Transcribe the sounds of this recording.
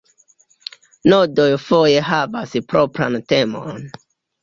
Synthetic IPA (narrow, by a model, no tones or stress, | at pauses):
nodo̞jfo̞je̞ɦavaspɾo̞pɾa̰nte̞mo̰n